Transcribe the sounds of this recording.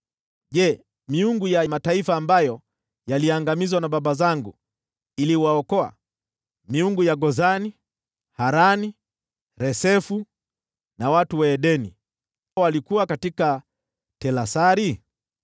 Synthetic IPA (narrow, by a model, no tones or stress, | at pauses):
ʄɛ | miuŋɡujamataifaːmbajɔ | jaliaŋɡamizwanaɓaɓazaŋɡu | iliwaɔkɔa̰ | miuŋɡujaɡɔzani | haɾani | ɾɛsɛfu | nawatuwɛːɗɛnḭ | walikuwakatika | tɛlasaɾi